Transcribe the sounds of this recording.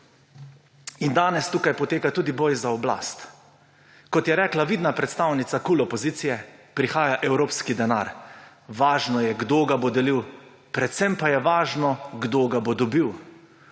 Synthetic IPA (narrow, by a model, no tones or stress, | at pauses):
ind̪aːnɛst̪ukajpɔt̪eːkat̪uːd̪ibojzaɔbla̰st̪ | kɔt̪jɛɾɛːklaʋiːd̪napɾɛt̪st̪awnit̪sakuːlɔpɔzit̪sijɛpɾixaːjaʔɛwɾoːpskid̪ɛna̰ːɾ | ʋaːʒnɔjɛɡd̪oɡabod̪ɛliw | pɾɛt̪sɛmpajɛʋaːʒnɔɡd̪oːɡabod̪ɔbiw